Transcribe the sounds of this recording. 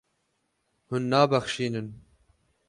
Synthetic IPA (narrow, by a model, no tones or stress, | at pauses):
hunːɑːbæxʃiːnɨn